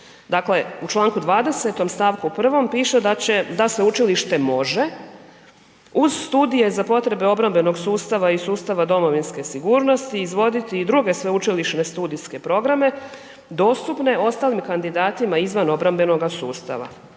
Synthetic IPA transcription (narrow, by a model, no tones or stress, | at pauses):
d̪akle̞ut͡ʃlˠaːŋkud̪ʋaːd̪e̞set̪o̞mst̪aːʋkupr̩ʋo̞mpiːʃed̪at͡ɕed̪aseut͡ʃiliʃt̪e̞mo̞ʒe̞ | uzst̪uːd̪ije̞zapo̞t̪ɾe̞beo̞bɾambe̞no̞ɡsuːst̪aʋaisuːst̪aʋad̪o̞mo̞ʋinske̞siɡuːɾno̞st̪iːzʋo̞d̪it̪iːd̪ɾuɡe̞sʋe̞ut͡ʃiliʃne̞st̪uːd̪iske̞pɾo̞ɡɾame̞ | d̪o̞ːst̪upne̞o̞st̪alimkand̪id̪aːt̪imaizʋano̞bɾambe̞no̞ɡasuːst̪a̰ʋa̰